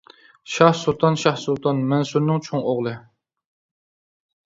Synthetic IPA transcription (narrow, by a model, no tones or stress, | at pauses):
ʃɑhsulˠt̪ʰɑnʃɑhsulˠt̪ʰɑnmɛnsuɾnɪŋt͡ʃʰoŋoʁlˠɨ